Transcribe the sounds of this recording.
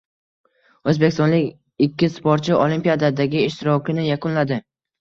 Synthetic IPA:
ɵzbekʲɪst̪ɒnlɪkʲ | ɪkʲʰːɪspoɾt͡ʃʰɪolimpijad̪ad̪aɡʲɪɪʃt̪ʰɪɾɒkʲɪnɪjaqʰʊnlad̪ɪ

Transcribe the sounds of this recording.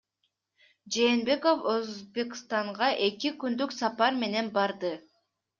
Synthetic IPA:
d͡ʒe̞ːnbe̞ko̞føzbe̞kst̪ɑɴʁɑʔe̞kikynd̪yksɑpɑɾme̞ne̞nbɑɾd̪ɯ

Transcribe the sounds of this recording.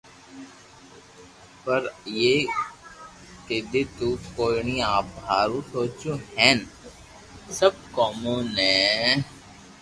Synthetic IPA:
pəɾjeː | ked̪et̪uːkoːɳiaːp̚ɦaːɾusoːt͡ʃuɦɛ̃ːn | səb̚kɔːmõːnɛ̃ː

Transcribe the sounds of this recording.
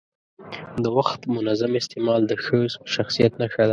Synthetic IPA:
d̪əwaxt̪mʊnazamɪst̪emɑld̪əxəzʃaxsijat̪naxad̪a

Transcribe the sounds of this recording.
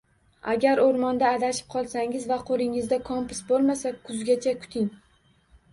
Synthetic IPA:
aɡʲaɾoɾmɒnd̪aːd̪aʃɪ̥p̚qʰɒlˠsaŋɪzvaqʰolɪŋɪzd̪akʰɒmpʊ̥sbolˠmasakʰʊzɡʲat͡ʃʰakʰʊ̥t̪ʰɪŋ

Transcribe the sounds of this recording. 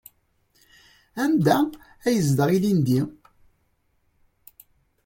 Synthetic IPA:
æmd̪æ | æjəzd̪əʁˤilind̪i

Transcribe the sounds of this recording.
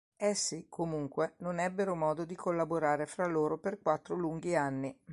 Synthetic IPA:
ɛsːikʰːomuŋkwenonɛbːeɾomɔːd̪od̪ikʰolːaboɾaːɾefɾalːoːɾoperkwat̪ːɾoluŋɡianːi

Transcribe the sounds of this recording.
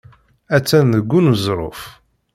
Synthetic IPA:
æt͡sːænðəɡʷːunuzɾˤo̰f

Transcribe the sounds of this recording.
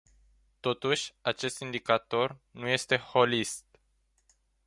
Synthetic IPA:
t̪o̞t̪uʃʲat͡ʃe̞st̪ind̪ikat̪o̞rnuje̞st̪e̞ho̞list̪̚

